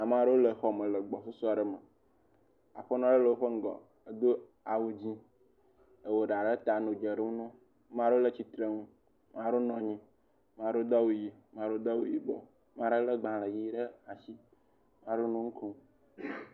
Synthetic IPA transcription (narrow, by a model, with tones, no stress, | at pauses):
a˨m˦˨ã˨ɖə˦wo˦lə˨xɔ˨mə̃˨lə˨ɡ͡bɔ˨so˦sɔ˦a˨ɖə˦mə˨ | a̰˨ɸə˦nɔ̃˦ɖə˦lə˨wo˦ɸə˦ŋ̩˦ɡɔ̰˨ | ə˦d̪o˦ | a˨wu˨d͡ʑi˦ | ə˨wo˨ɖa˨ɖə˦t̪a˨nõ˨d͡ʒə˨ɖə˦u˦nũ˦ | mã˦o˦o˦lə˦t͡ɕi˦t̪ɾe˦ŋũ˦ | mã˦ɖo˦nɔ̃˨ɲĩ˦ | mã˨ɖo˦d̪ɔ˦wu˨ji˨mã˨˦ɖo˦d̪ɔ˦wu˦ji˨ɡ͡bɔ̰˦ | mã˦ɖə˦lə˦ɡ͡bã˨lə˨ji˦ɖə˦a˨si˦ | mã˦ɖo˦nũ˦ŋ̩˦ku˦